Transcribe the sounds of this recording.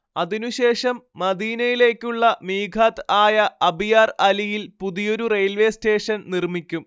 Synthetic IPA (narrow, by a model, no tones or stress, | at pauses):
ɐðinuɕe̞ːʂɐmːɐd̪iːnɐjile̞ːkʲːuɭːɐmiːɡʰʱaːt̪aːjɐɐbijaːrɐlijilpuðijo̞ɾurejlʋe̞ːste̞ːʂɐnnirmikʲːum